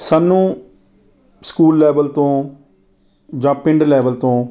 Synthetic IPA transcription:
saːnːũː | skuːlːɛːbəlt̪õː | d͡ʒãːpɪ̃ɳɖlɛːʋəlt̪õː

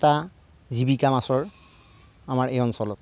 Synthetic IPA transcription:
ta | zibikamasɔɹ | amaɹejɔnsɔlɔt

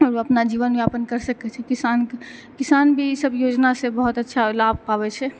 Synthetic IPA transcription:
ɔɾoəpnad͡ʒiːʋənbjapənkəɾsəkɛt͡ʃʰɛkɪsaːnkɪsaːnbʱisəbjoːd͡ʒnasebəɦʊt̪ətːʃʰalab̚ʱkabɛt͡ʃʰɛ

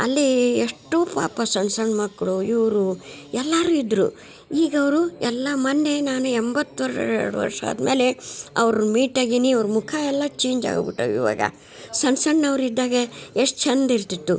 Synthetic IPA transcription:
ɐlːieʂʈːoːpa̰ːpɐsɐɳsɐɳɖmɐkːɭuiʋɾuɛlːaːɾuid̪ɾṵ | iːɡɐʋɾuɛlːɐmɐnːenaːnuembɐt̪ːʋɐɾʂɐ̰ɛ̰ɽuʋɐ̰ɾʂɐ̰ːd̪meːleɐ̰ʋɾumiːʈɐɡiniɐʋɾmukʰaɛlːɐt͡ʃeːɲd͡ʒa̰ːɡbḭʈːɐ̰ːʋḭʋa̰ːɡɐ̰ | sɐɳsɐɳːɐʋɾid̪ːaːɡeeʂʈt͡ʃʰɐnd̪iɾt̪it̪ːu

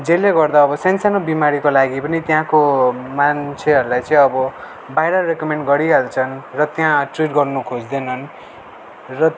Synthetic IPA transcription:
d͡zeleɡʌrd̪aʌbʌsjansanobimaɾikolaɡipʌnit̪jãkomant͡sʰeɦʌɾulajt͡sʌ̃ĩʌbʌ | bajɾʌrekʌmeɳɖɡʌɾiɦelt͡sʰʌnrʌt̪jãʈriʈɡʌrnukʰod͡zd̪enʌn | rʌ

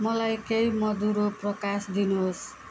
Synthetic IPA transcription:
mʌlajkejmʌd̪uɾoprʌkasd̪inuɦos

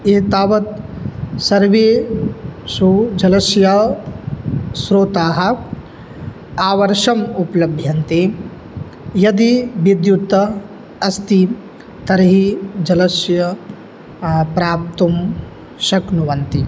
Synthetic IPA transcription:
eːt̪aːʋɐt̪sɐɾʋeː | sud͡ʒɐlɐsjɐ | sɾoːt̪aːɦɐ̆ | aːʋɐɾʂɐmupɐlɐbʱjɐnt̪eː | jɐd̪iʋid̪jut̪ɐ | ɐst̪i | t̪ɐɾɐɦid͡ʒɐlɐsjɐ | pɾaːp̚t̪um | ʃɐknuʋɐnt̪i

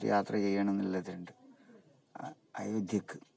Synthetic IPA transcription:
jʔaːt̪rɐt͡ɕejːaːɳenːilːɐðiɾɳɖɨ | ɐ̰jod̪ʱjɐkːɨ̥

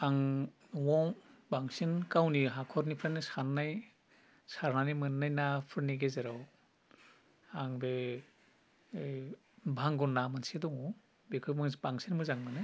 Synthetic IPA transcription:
aŋ | wɔbaŋsinkawniɦakʰɔɾnipʰɾanisanːaj | saɾnanimɯnːajnapʰɯɾniɡezeɾaw | aŋbe | bʱaŋɡɔnːamansidɔŋɔ | bekʰɯmɯbaŋsinmɯzaŋmɯnɯ

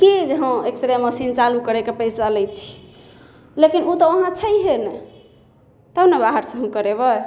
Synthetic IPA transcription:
kid͡ʒeɦə̃ekt̪əɾeməsint͡ʃalukəɾekepəjsalɛjt͡ʃʰi̥ | lekinut̪ɔəɦãt͡ʃʰəjɦenɛ | t̪ənebaɦəɾsə̃ɦə̃mkəɾeβə

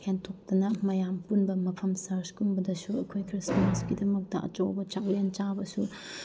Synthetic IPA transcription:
hentʰok̚tɐnɐmɐjampunbɐmɐpʰɐmsɐɾskunbɐdɐsuɐkʰojkʰɾismasɡidɐmɐk̚tɐʔɐ̰t͡ʃowbɐt͡ʃaklent͡ʃabɐsu

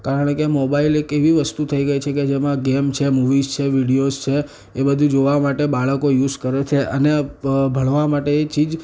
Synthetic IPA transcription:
kaɾəɳ̃kemobailekeʋiʋəst̪ut̪ʰəiɡəjt͡ʃʰeked͡ʒemãɡemt͡ʃʰemuʋizt͡ʃʰeʋiɽiost͡ʃʰe | ebəd̪ʱũd͡ʒoʋamaʈebaɭəkojuzkəɾet͡ʃʰeʔənebʱəɭʋamaʈeːt͡ʃid͡ʒ

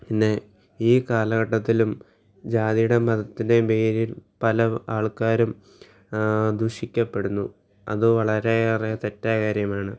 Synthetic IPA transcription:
pinːe̞ | iːkaːlɐɣɐʈːɐt̪ːilum | d͡ʑaːðijuɽe̞mɐðɐt̪ːinde̞meːɾilpɐlɐaːɭkaːɾum | d̪uɕikʲːɐpːe̞ɽunːu | ɐ̰ðɨʋɐɭɐɾeɐrijɐt̪e̞tːaːkaːɾjɐmaːɳɨ

